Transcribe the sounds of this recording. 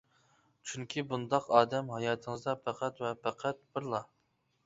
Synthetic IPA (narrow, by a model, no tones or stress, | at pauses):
t͡ʃʰyŋkʲʰibund̪ɑqɑːd̪ɛmɦɑjɑːt̪ʰəŋəɨzd̪ɑpʰæqʰæt̪wɛpʰæqʰæt̪̚b̥ɨɾlˠɑ